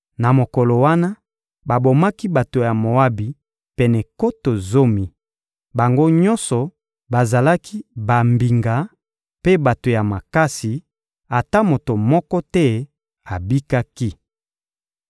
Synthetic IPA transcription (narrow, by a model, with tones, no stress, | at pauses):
na˨mo˨kɔ˨lo˨wa˦na˦ | ba˨bo˨ma˦ki˦ba˨to˨ja˨mo˨a˦bi˨ | pɛ˨nɛ˨ko˦to˨zo˦mi˨ | ba˨ŋɡo˦ɲɔ˦nsɔ˨ | ba˨za˨la˦ki˦ba˨mbi˨ŋɡa˨ | pe˦ba˨to˨ja˨ma˨ka˦si˨ | a˨ta˦mo˨to˨mɔ˦kɔ˦tɛ˦ | a˨bi˦ka˦ki˦